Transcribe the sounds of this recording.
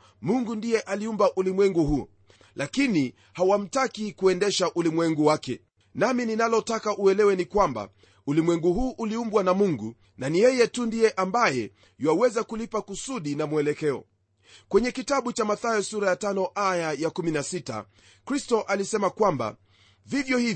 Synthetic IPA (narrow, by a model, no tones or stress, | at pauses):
muŋɡundijɛʔaliumbaʔulimwɛŋɡuhuɔ̰ | lakini | hawam̩takikuɛndɛʃaʔulimwɛŋɡuwakɛ̰ | namininalɔtakaʔuɛlɛwɛnikwamba̰ | ulimwɛŋɡuɦuːʔːliumbwanamuŋɡu | nanijɛjɛtundijɛʔambajɛ | jwawɛzakulipakusuɗinamuɛlɛkɛɔ̰ | kwɛɲɛkitaɓut͡ʃamaθajɛsuɾajatanɔʔajajakuminasita̰ | kɾistɔʔalisɛmakwamba̰ | vivjɔhi